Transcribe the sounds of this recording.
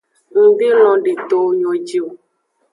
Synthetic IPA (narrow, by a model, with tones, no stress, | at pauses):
ŋ̩˨bi˦lɔ̃˨ɖe˨t̪o˨˦ɲo˨d͡ʒi˦o˨